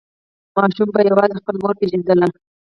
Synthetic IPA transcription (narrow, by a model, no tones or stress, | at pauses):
mɑʃumbajawɑzexpəlmoɾpeʒand̪əla